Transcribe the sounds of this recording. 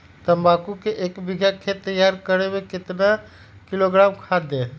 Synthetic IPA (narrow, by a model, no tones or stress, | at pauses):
t̪əbakukeʔekbiɡʱakʰet̪əjaɾkəɾebeket̪na | kiloɡɾamkʰad̪e